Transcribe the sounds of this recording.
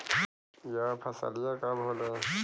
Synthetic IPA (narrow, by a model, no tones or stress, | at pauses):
japʰɐsa̰lijakabʱole